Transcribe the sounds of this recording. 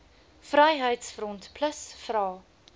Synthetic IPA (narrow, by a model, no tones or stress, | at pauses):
frɐjɦəjtsfɾɔntpʰləsfrɑː